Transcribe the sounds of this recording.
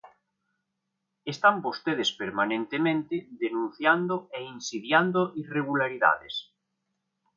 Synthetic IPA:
est̪ambost̪eð̞espeɾmanẽnt̪emẽnt̪eðenũn̟θjand̪oeinsiðjand̪oʔireɣ̞ulaɾiða̰ðes

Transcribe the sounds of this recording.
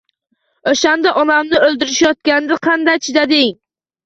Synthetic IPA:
oʃand̪aʔɒnamnɪɵld̪ɪɾɪʃjɒt̪̚kʲanɪd̪aqʰɑnd̪ajt͡ʃʰɪd̪ad̪ɪŋ

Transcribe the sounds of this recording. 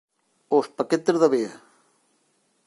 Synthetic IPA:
ospɐket̪ezðɐβeɐ

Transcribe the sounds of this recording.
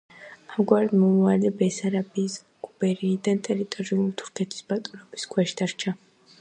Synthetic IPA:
amɡwaɾɛd̪mɔmualɛbɛsaɾabiːs | ɡ̥ʼubɛɾiːd̪ant̪ʼɛɾit̪ʼɔɾiulit̪ʰu̥ɾkʰɛt̪ʰi̥sb̥at̪ʼɾɔbiskʰwɛʃd̪̥aɾt͡ʃʰa

